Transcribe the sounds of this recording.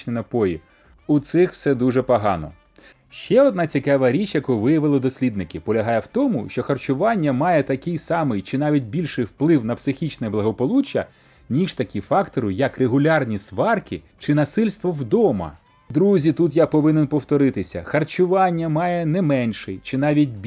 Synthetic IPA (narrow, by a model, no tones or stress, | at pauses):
nʲinɐpɔji | ʊt̪sɪxw̥sɛd̪uʒɛpɐɦɑnɔ̰ | ʃt͡ʃɛɔd̪nɑt͡sʲikɑʋɐɾʲit͡ʃjɐkuʋɪjɐʋɪlˠɐd̪ɔsʲlʲid̪nɪkʲɪpɔlʲɐɦɑjɛwt̪ɔmʊ̰ʃt͡ʃɔxɐrt͡ʃʊʋɑnʲːɐmɑjɛt̪ɐkɪjsɑmɪjt͡ʃɪnɑʋʲit̚ʲbʲilʲʃɪjwplˠɪwnɐpsɪxʲit͡ʃnɛblˠɐɦɔpɔlˠut͡ʃːɐ | nʲiʃt̪ɐkʲifɑkt̪ɔɾʊjɐkreɦʊlʲɑrnʲisʋɑrkʲɪ | t͡ʃɪnɐsɪlʲst̪ʋɔwd̪ɔmɐ̰ | d̪ɾuzʲit̪ut̪japɔʋɪnenpɔwt̪ɔɾɪt̪ɪsʲɐ̰xɐrt͡ʃʊʋɑnʲːɐmɑjɛnɛmɛnʃɪjt͡ʃɪnɑʋʲit̚ʲbʲ